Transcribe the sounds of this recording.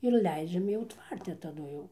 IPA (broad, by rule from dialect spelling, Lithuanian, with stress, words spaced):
ɪr ˈlʲɛɪd͡ʒʲɛm jɛʊ ˈtʋɐrʲtʲɛ tɐˈdʊ jɛʊ